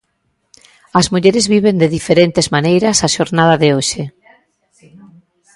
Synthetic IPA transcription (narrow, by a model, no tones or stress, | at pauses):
ɐzmuʎeɾezβiβend̪eðifeɾent̪ezmanejɾɐsaʃoɾnað̞ɐðɪoʃɪ